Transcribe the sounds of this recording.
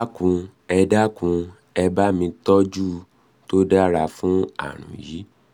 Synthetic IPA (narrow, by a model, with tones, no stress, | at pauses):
kũ˧ | ɛ˧da˦kũ˧ | ɛ˧ba˦mĩ˧tɔ˦d͡ʒu˦ | to˦da˦ɾa˧fũ˦a̰˦˨ɾ̃ṵ̃˨ji˨˦